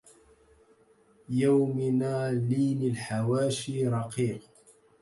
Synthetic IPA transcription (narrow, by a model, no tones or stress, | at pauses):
jawmɪnaːliːnɪlħawaːʃiɾˤɑqiːq